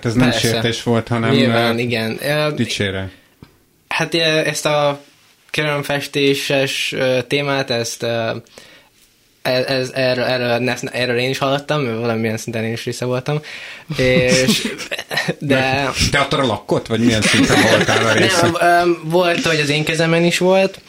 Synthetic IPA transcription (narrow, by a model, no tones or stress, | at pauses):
at̪ɛznpɛmɛɾsʃesːrɛt̪eːʃʋo̞lt̪hɒnɛɲmilvaːniɡɛnøːd̪it͡ʃeːɾɛ | hat̪ʔɛst̪ɒ | køɾyløɱfɛʃt̪eːʃɛʃøːt̪eːmaːt̪ɛst̪øː | ɛɛzɛrøɛːrølnɛsnʔɛːrøleːniʃhɒlːot̪ːɒmːɛvɒlɒmijɛnsint̪ɛneːniʃʋisːɒvo̞lt̪ɒmeːʃ | d̪ɛt̪ɛɒt̪ːoɾɒlɒkːot̪ːvɒɟmijɛnsint̪ɛnolt̪a̰ːlɒɾeːɛsøːvo̞lt̪hoɟɒzeːŋkɛzɛmɛniʃʋo̞lt̪